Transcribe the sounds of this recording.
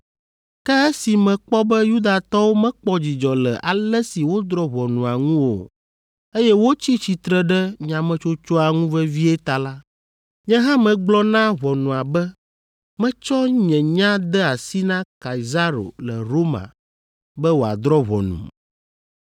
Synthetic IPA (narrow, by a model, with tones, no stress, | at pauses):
kɛ˦ɛ˦si˨mɛ̃˨k͡pɔ˦bɛ˦ju˦d̪a˨t̪ɔ˦wo˦mɛ̃˦k͡pɔ˦d͡ʑi˨d͡ʒɔ˨lɛ̰˨ʔa˨lɛ˦si˨wo˦d̪ɾɔ˦βɔ˨nũ˨a˨ŋũ˦wo̰˨ | e˦jɛ˦wo˦t͡ɕi˦t͡ɕi˨t̪ɾɛ˦ɖɛ˦ɲã˨mɛ̃˦t͡ʃo˦t͡ʃɔ˦a˨ŋũ˦vɛ˦vi˦ɛ˦t̪a˨la˦ | ɲɛ̃˦ɦã˦mɛ̃˨ɡ͡blɔ˦nã˦βɔ˨nũ˨a˨bɛ˦ | mɛ̃˦t͡ʃɔ˦ɲɛ̃˨ɲã˦d̪ɛ˦a˨si˦nã˦ka˨i˨za˦ɾo̰˨lɛ˨ɾo˦mã̰˨ | bɛ˦wo˨a̰˨d̪ɾɔ˦βɔ̰˨nṵ̃˨m